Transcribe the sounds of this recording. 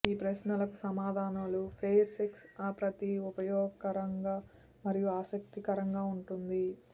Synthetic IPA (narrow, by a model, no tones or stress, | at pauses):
iːpɾɐʃnɐlɐkusɐmaːd̪ʱaːnaːlupʰejɾseksɐpɾɐt̪iupɐjɔːɡɐɾɐŋɡaː | mɐɾijuaːsɐk̚t̪ikɐɾɐŋɡaːuɳʈund̪i